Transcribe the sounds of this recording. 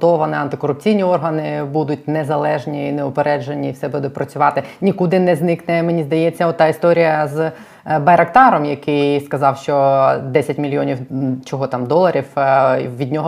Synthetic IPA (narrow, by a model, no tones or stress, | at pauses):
t̪ɔʋɐnɪɐnt̪ɪkɔɾʊp̚t͡sʲijnʲiɔrɦɐnɪbud̪ʊtʲnezɐlˠɛʒnʲineʊpeɾɛd͡ʒenʲiwsɛbud̪ʊt̚ʲpɾɐt͡sʲʊʋɑt̪ɪnʲikud̪ɪnɛznɪknɛmenʲizd̪ɐjɛt͡sʲːɐɔt̪ːɑist̪ɔɾʲijɐz | bɐjɾɐkt̪ɑɾɔmjɐkɪjskɐzɑwʃt͡ʃɔd̪ɛsʲɐtʲmʲilʲjɔnʲiwt͡ʃɔɦɔt̪ɑmd̪ɔlˠɐɾʲiwʋʲid̪ʲnʲɔɦɔ